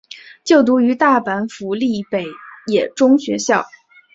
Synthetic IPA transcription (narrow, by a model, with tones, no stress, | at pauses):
t͡ɕjo˥˩ʊt̪̬u˧˥y˧˥t̪a˥˩pa˧˥nfu˧˥li˥˩pe˨˩ɪjɛ˨˩ʈ͡ʂʊ˥ŋɕɥɛ̰˧˥ɕjɑ˥˩ʊ